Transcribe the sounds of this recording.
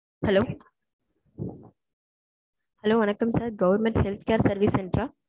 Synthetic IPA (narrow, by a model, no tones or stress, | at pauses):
hɐloː | hɐloːʋɐnɐkːɐmsaːɾɡɐʋɐɾmẽɳʈhelt̪ʰkjaːɾsɐɾʋiseɳɖɾaː